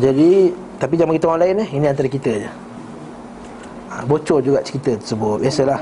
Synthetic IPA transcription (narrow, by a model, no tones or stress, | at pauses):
d͡ʒadi | t̪apid͡ʒamaŋɡit̪əwaŋlaɪnəhinĩant̪aɾəkit̪əd͡ʒə | əbot͡ʃɔd͡ʒuɡaʔt͡ʃə̥kit̪ət̪əsəbʊt̪̚biasəlah